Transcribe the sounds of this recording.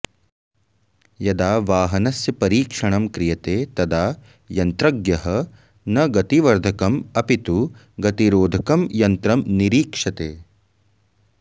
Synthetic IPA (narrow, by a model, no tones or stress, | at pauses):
jɐd̪aːʋaːɦɐnɐsjɐpɐɾiːkʂɐɳɐmkɾijɐt̪eːt̪ɐd̪aː | jɐnt̪ɾɐɡjɐɦɐ | nɐɡɐt̪iʋɐɾd̪ʱɐkɐmɐpit̪u | ɡɐt̪iɾoːd̪ʱɐkɐmjɐnt̪ɾɐmniɾiːkʂɐt̪eː